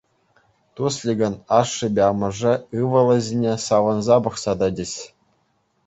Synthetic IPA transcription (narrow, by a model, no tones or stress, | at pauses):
t̪uslʲiɡʲɤ̆nɑʂːɤ̆bʲeɑmɤ̆ʐɘ̆ɯʋɤ̆lˠɤ̆zʲinʲesɑʋɤ̆nzɑbɤ̆χsɑd̪ɑdʲĕɕʲ